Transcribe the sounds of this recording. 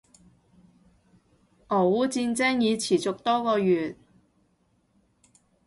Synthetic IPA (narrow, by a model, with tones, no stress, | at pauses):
ʔɔː˨˩wuː˨˥t͡siː˧nt͡sɛː˥ŋjiː˨˧t͡sʰiː˨˩t͡sʊ˨k̚t̪ɔː˥kɔː˧jyː˨t̚